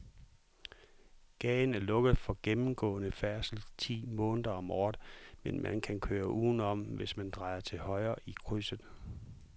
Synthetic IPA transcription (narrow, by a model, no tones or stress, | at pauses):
ɡ̥ɛːɪnæɐlɔ̽ɡ̥ð̞̩ˠfɒ̽ɡ̥emm̩ɡ̥ɔ̰̽ːnəfæɐsl̩t͡sʰḭːmɔ̽ːnəðˠɐɒ̽mɒ̰ːd̥menmʔænkʰænkʰøːɐʔuːn̩ɒ̽mʋe̝smænd̥ʁɑ̈ɪɐt͡sʰe̝hɒ̽ɪɐːʔikʰʁysəð̩ˠ